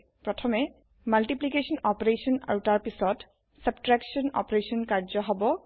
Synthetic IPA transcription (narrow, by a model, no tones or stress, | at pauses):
pɹɔtʰɔmɛ | malʈiplikesɔnɔpɹesɔna̰wtaɹpisɔt | sab̚tɹaksɔnɔ̰pɹesɔnkaɹd͡ʒɔɦɔbɔ